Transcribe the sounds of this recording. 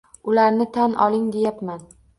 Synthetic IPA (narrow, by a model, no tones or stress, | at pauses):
ʊlaɾnɪt̪ʰanʔɒ̰lˠɪŋd̪ejapman